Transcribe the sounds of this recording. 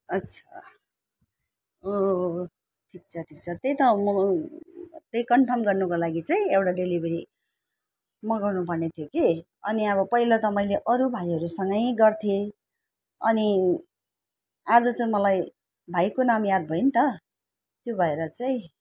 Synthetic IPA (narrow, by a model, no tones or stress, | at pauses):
ʌt̪t͡sʰʌ̥ | o | ʈʰik̚t͡sʰʌʈʰikt͡sʰʌt̪ejt̪ʌmʌ | t̪ejkʌnʈʰʌmɡʌrnʌkolaɡit͡sʌĩewʈaɖelibʱʌɾi | mʌɡʌrnupʌrnet̪ʰjoke | ʌ̰niʌbʌpʌilat̪ʌmaĩleʔʌɾubʱajɦʌɾusʌŋɡʌjɡʌrt̪ʰje | ʌ̰ni | ad͡zʌt͡sʌĩmʌlaj | bʱajkonamjad̪̚bʱʌint̪ʌ | t̪jobʱʌeɾʌt͡saĩ